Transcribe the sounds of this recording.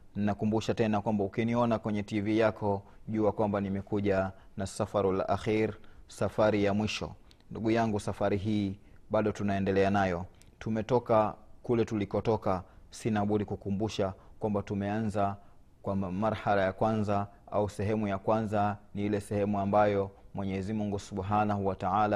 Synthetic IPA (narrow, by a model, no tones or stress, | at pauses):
ninakumbuʃatɛnakwambaukiniɔnakwɛɲɛtivijakʰɔʄuːakwambanimɛkuʄanasafaɾila̰ʔaxiɾsafaɾijamwiʃɔ̰ | nduɡujaŋɡusafaɾiɦiː | ɓaɗɔtunaɛndɛlɛanajɔ | tumɛtɔkakulɛtulikɔtɔkasinaɓuɾikukumbuʃakwambatumɛanza | kwamaɾhalajakwanza | a̰usɛɦɛmujakwanzaniilɛsɛhɛmuambajɔmwɛɲɛzimuŋɡusuɓɦanahuwataala